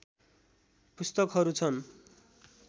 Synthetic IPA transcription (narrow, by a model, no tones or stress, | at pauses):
pust̪ʌkɦʌɾut͡sʰʌn